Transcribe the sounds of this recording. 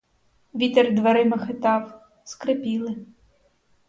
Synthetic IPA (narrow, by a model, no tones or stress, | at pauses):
ʋʲit̪erd̪ʋɐɾɪmɐxɪt̪ɑw | skɾepʲilˠɪ